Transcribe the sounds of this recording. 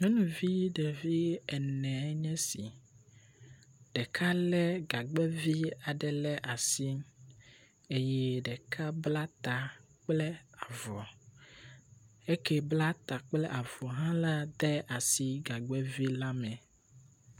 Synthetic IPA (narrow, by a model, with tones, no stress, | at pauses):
ɲɔ̃˦nũ˨vi˦ɖɛ˨vi˦ɛ˨nɛ̃˨ɛ˦ɲɛ̃˦si˨ | ɖ̥ɛ˨kʰa˦lɛ˦ɡa˨ɡ͡bɛ˦vi˦a˨ɖɛ˨lɛ˦ʔa˨si˦m | e˦jɛ˦ɖɛ˨kʰa˦bla˦t̪a˨ | k͡plɛ˦a˨vɔ˨ | e˦kɛ˦bla˦t̪a˨k͡plɛ˦ʔa˨vɔ˨ɦã˦la˦d̪ɛ˦a˨si˦ɡa˨ɡ͡bɛ˦vi˦la˦mɛ̃˨